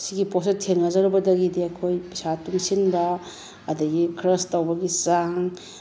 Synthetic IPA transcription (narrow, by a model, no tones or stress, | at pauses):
siɡiposetʰeŋɐzɐɾbɐdɐɡidiɐkʰojpisatuŋsinbɐː | dɐɡikʰɾɐstawbɐɡisaŋ